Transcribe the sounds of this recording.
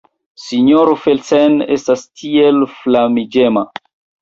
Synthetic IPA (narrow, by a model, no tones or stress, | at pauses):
siɲoɾofelsenestastʰielflamid͡ʒema